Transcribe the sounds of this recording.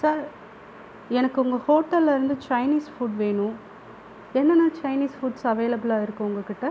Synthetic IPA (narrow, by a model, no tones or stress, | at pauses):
saːɾ | ɛnɐkːɯʊŋɡɐhoːʈːɐlːɪɾɯnd̪ɯt͡ʃɐɪniːsfuɖʋeːɳʊ̃ | ɛnːɐnãːt͡ʃɐɪniːsfuːɖsɐʋeːlɐbɪlaːɪɾɯkːʊ̃ʊŋɡɐkːɪʈːɐ